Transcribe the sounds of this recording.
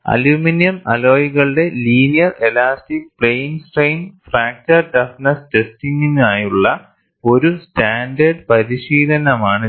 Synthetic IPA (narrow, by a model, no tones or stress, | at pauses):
ɐ̰luːminijɐmɐ̰lo̞ːjiɣɐɭɨɽe̞liːnijɐre̞laːsʈik̚pɭejnsʈɐjnfraːk̚tɐrʈɐfnɐstestiŋːinaːjuɭːɐ | o̞ɾustaːɳɖɐrɖpɐɾiɕiːlɐnɐmaːɳɨ